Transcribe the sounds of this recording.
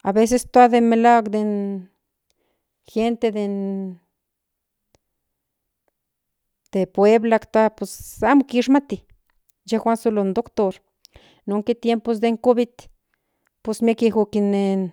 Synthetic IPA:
a̰βes̬est̪wad̪emelaɡd̪en | xent̪ed̪en | d̪̥epweblakt̪apesamokiʂ̬mat̪i | d͡ʒexʷwansolond̪okt̪oɾ | noŋket̪jempos̬d̪eŋkobit̪ | posmjekexukinen

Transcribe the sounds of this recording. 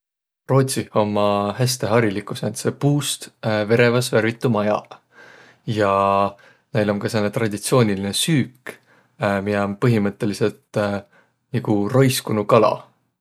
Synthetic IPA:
ro̞ːt̪siho̞mːɑhæst̪e̞ɦɑɾilikˑusent̪se̞puːst̪ve̞ɾe̞vɑsvæɾvit̪ːˑumɑjɑ̰ | jɑ | ne̞jlo̞nkɑse̞lːet̪rɑd̪̥ʲit̪sio̞ːnʲilinesyːk | mionpɤɦimɤt̪ˑːe̞lise̞lt̪ | nikuro̞jskunukɑlɑ̰

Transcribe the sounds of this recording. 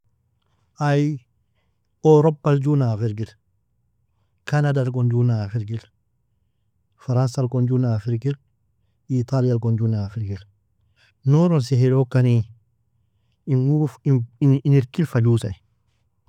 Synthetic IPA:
aj | oɾopːald͡ʒunafiɾɡil | kanadalk̬ɔnd͡ʒunafiɾɡil | faɾansalkɔnd͡ʒunafiɾɡil | it̪alialkond͡ʒunaːfiɾɡil | noɾɔnsihelokːani | inuiiniɾkilfalusaj

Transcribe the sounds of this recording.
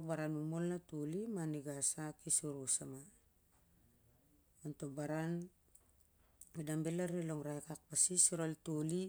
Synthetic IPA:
baɾanumolnatolimaniɡasakisuɾusama | antobaɾan | idambelaɾiloŋɾajkak̚pasisiɾoltoli

